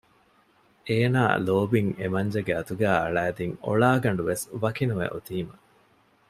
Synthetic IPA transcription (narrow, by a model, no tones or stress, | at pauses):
eːna̰ːloːbiŋemɐɲd͡ʒɐɡeɐt̪uɡæːɐ̰ɭæːd̪iŋo̰ɭaːɡɐɳ̆ɖuʋesʋɐkinuʋḛʔot̪iːmɐ